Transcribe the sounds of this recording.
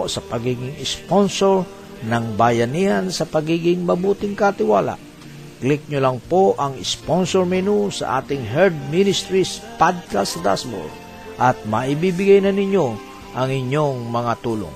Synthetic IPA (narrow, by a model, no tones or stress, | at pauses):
sɐpɐɡiːɡɪŋɪsponsoɹ | nɐŋbajɐnihansɐpɐɡiːɡɪŋmɐbuːt̪ɪŋkat̪ɪwaːla̰ʔ | klɪk̚ɲʊlɐŋpoʔɐŋɪsponsoɹmɛnusɐ̰ʔa̰ːt̪ɪŋɦɛɾd̪̚minɪst̪ɾispad̪̚kasɐd̪a̰sbo̰ɾ | ʔɐt̪̚mɐʔɪbibɪɡajnɐnɪɲːo | ʔɐŋɪɲːoŋmɐŋat̪uːlo̰ŋ